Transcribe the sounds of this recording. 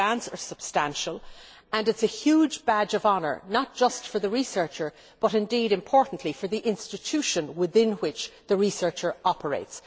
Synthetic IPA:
æ̃nsə˞sb̥stæ̃nʃəlˠ | ə̃nɨtsɨhjud͡ʒbæd͡ʒʌvɑnə̰˞nət̚d̥ʒ̥ʌstfə˞ðəɹisɜ˞t͡ʃə˞ | b̥ʌɾɨ̃ndiɾɨ̃mpʰɔɹʔn̩ʔlifə˞ðiʔɪ̃nstɨtʰʉʃɨ̃nwɪðɪ̃nwɪt͡ʃðəɹisɜ˞t͡ʃə˞ɑpʰə˞ḛɪts

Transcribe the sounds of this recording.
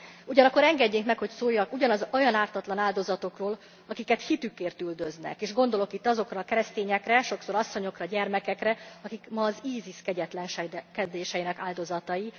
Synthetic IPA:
uɟɒnɒkːoɾɛŋɡɛɟːeːŋkmɛkho̞csoːjːɒkuɟɒnɒzo̞jɒnaːrt̪ɒt̪lɒnaːld̪o̞zɒt̪o̞kroːl | ɒkikɛt̪hit̪ykːeːrt̪yld̪ø̞znɛ̰keːʒɡo̞nd̪o̞lo̞kit̪ːɒzo̞krɒːkɛɾɛst̪eːɲɛkrɛʃo̞kso̞ɾɒsːo̞ɲo̞krɒɟɛrmɛkɛkrɛɒkikmɒːziːziskɛɟɛt̪lɛnʃɛkɛd̪eːʃɛjinɛkaːld̪o̞zɒt̪ɒji

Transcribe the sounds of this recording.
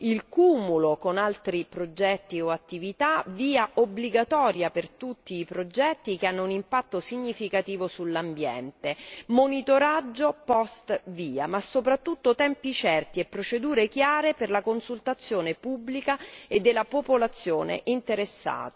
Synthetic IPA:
ilkumulokonalt̪ɾipɾod͡ʒɛt̪ːioat̪ːivit̪aviːaʔobliɡat̪ɔːɾjapert̪ut̪ːiːpɾod͡ʒɛt̪ːik̟eanːounimpat̪ːosiɲːifikat̪iːvosulːambjɛ̰nt̪emonit̪oɾad͡ʒːopɔst̪viːamasːopɾat̪ːut̪ːot̪ɛmpit͡ʃɛrt̪iepːɾot͡ʃed̪uːɾek̟jaːɾeperlakonsult̪at̪sːjoːnepubːlikaed̪ːelːapopolat̪sːjoːnḛʔint̪eɾesːa̰ːt̪a

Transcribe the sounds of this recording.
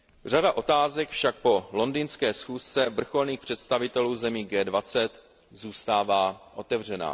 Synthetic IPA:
r̝adaʔo̞t̪aːzɛkfʃak̚po̞lo̞ndinskɛːsxuːst͡sɛvr̩xo̞lniːxpr̝̥ɛt̪st̪avɪt̪ɛluːzɛmiːɡɛːdvat͡sɛt̪ | zuːst̪aːvaːʔo̞t̪ɛvr̝ɛna̰ː

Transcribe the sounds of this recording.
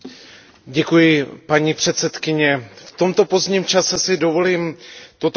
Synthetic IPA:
ɟɛkujɪpaɲiːpr̝̥ɛt̪sɛt̪kɪɲɛft̪o̞mt̪o̞po̞zdɲiːmt͡ʃasɛsɪdo̞vo̞liːmt̪ot̪

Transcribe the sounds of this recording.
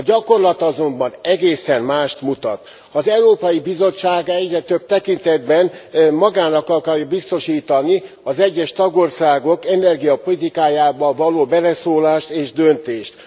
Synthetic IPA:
ɒɟɒko̞rlɒt̪ɒzo̞mbɒnɛɡeːsɛnmaːʃt̪mut̪ɒ̰t̪ | ɒzɛuɾoːpɒjibizo̞t͡ʃːaːɡɛɟrɛt̪øb̚t̪ɛkint̪ɛd̪bɛnmɒɡaːnɒkɒlkɒrjɒbist̪o̞ʃiːt̪ɒni | ɒzɛɟːɛʃt̪ɒɡo̞rsaːɡo̞kɛnɛrɡijɒpo̞lit̪ikaːjaːbɒvɒloːbɛlɛsoːlaːʃt̪eːʒd̪ønt̪eːʃt̪

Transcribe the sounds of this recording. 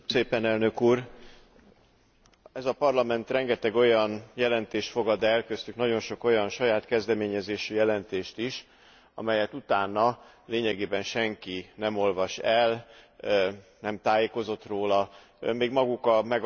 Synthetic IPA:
seːpɛnɛlnø̞kuːr | ɛzɒpɒrlɒmɛnt̪rɛŋɡɛt̪ɛɡo̞jɒnjɛlɛnt̪eːʃtfo̞ɡɒd̪ɛlkøst̪yknɒɟo̞nʃo̞ko̞jɒnʃɒjaːt̪kɛzd̪ɛmeːɲɛzeːʃyjɛlɛnt̪eːʃt̪iʃ | ɒ̰mɛjɛt̪ut̪aːnːɒ | leːɲɛɡeːbɛnʃɛŋkinɛmo̞lvɒʃɛl | nɛmt̪aːjeːko̞zo̞t̪roːlɒ | meːɡmɒɡukɒmɛɡ

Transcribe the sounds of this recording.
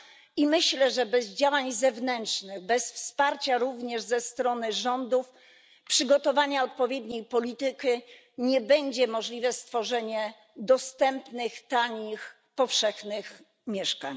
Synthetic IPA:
imɘɕlɛʐɛbɛzd͡ʑawaɲzɛvnɛntʂnɘɣbɛsfspaɾt͡ɕaɾuvɲɛʐzɛst̪ɾɔnɘʐɔnd̪uf | pʂɘɡɔt̪ɔvaɲaɔt̪̚pɔvʲjɛd̪ɲejpɔlʲit̪ɘki | ɲɛbɛɲd͡ʑɛmɔʐlʲivɛst̪fɔʐɛɲɛ | d̪ɔst̪ɛmpnɘxt̪aɲix | pɔfʂɛxnɘx | mʲjɛʂkaɲ

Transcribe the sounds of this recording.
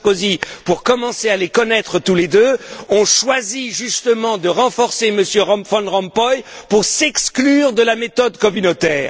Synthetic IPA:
kozipuʁkɔmɑ̃sealekɔnɛt̪χət̪uled̪øɔ̃ʃwaziʒyst̪əmɑ̃d̪əʁɑ̃fɔʁseməsjøʁɔ̃fɑ̃ʁɑ̃mpɔjpuʁsɛksklyʁd̪əlamet̪ɔd̪kɔmynot̪ɛːʁ

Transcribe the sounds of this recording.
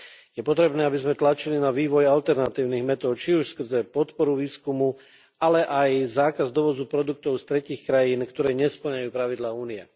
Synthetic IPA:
jɛpɔt̪ɾɛbnɛːabizmɛt̪lat͡ʃilinaʋiːʋɔjalt̪ɛɾnat̪iːʊniɣmɛt̪ɔʊt͡ʃiuʃskr̩zɛpɔt̪pɔɾuʋiːskumu | alɛʔajzaːkazd̪ɔʋɔd͡zupɾɔd̪ukt̪ɔʊst̪ɾɛciːxkɾajiːnkt̪ɔɾɛːɲɛspl̩ɲajuːpɾaʋid̪laːuːniɛ

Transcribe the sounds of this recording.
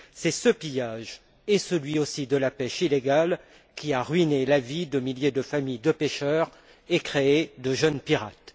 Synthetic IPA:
sɛsəpijaʒ | esəlɥiosid̪əlapɛʃileɡal | kʲiaʁɥinelavid̪əmiljed̪əfamijd̪əpeʃœʁ | ekχeed̪əʒənpiʁa̰t̪

